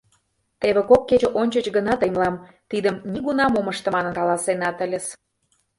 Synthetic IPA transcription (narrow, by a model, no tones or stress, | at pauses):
t̪eβĕkokːet͡ɕə̆ʔonʲt͡ɕət͡ɕɡənɑt̪əjmlɑm | t̪id̪əmnʲiɣunɑmoməʃt̪ə̆mɑnə̆nkɑlɑsenɑt̪ə̆lʲə̆s